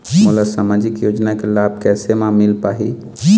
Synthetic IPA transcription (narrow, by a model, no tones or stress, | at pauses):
mʊlasamaːd͡ʒɪkjoːd͡ʒnakelaːb̚ʱkɛːsemãmɪlpaːɦi